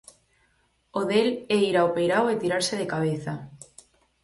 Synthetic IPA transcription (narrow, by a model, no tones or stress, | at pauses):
oðeleiɾaopejɾawet̪iɾaɾseðekaβ̞eθa